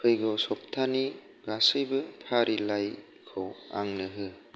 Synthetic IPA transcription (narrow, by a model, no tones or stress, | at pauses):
kʰɯjɡɔsɔp̚tʰani | ɡasɯjbɯpʰaɾʔilaj | kʰowa̰ŋnɯɦɯ